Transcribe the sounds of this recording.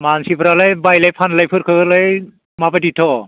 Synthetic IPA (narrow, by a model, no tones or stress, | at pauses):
mansipʰɾalajbajlajpʰanlajpʰɯɾkʰɯɡɯlaj | mapajditʰɔ